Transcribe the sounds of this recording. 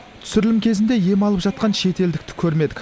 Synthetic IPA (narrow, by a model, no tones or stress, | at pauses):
t̪ʰʏ̥sɪɾɪlɪmkʲʰe̞zɪnd̪e̞je̞mɑlˠəpʒ̥ɑt̪̚qɑnʃe̞t̪e̞ld̪ɪkt̪ɪ̥kʲʰɵɾme̞d̪ɪkʲ